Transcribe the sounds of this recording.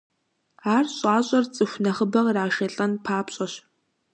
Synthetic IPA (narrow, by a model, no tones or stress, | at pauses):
aːrɕʼaːɕʼɐrt͡sʼɨxʷnɐχəbɐʁraːʃɐɬʼɐnpʰaːpɕʼɐɕ